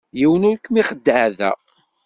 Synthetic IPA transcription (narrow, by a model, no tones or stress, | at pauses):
jiwənʊɾkːmiχəd̪ːəʕðæ̰